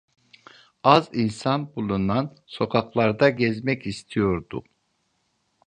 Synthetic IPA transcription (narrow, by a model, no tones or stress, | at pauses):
azinsanbulˠunan | so̞kʰaklˠaɾd̪aɟɛzmɛcist̪ʰijo̞ɾd̪ṵ